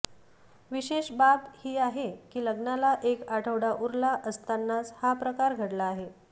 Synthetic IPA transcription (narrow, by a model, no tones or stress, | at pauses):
ʋiɕeɕbabhiːaɦekiːləɡnalaʔekaʈʰəʋɽaʔuɾlaʔəst̪anːat͡shapɾəkaɾɡʱəɽlaːɦe